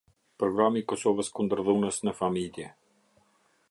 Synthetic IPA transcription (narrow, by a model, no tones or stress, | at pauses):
pɾɔɡɾamiːkɔsɔvəskund̪əɾðunəsnəfamiljɛ